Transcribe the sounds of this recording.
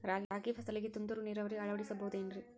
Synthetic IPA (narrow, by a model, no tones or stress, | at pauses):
ɾaːaːɡipʰɐsɐliɡet̪und̪uɾuniːɾɐʋɐɾeɐɭɐʋɐɽisɐbɐɦud̪eːnɾi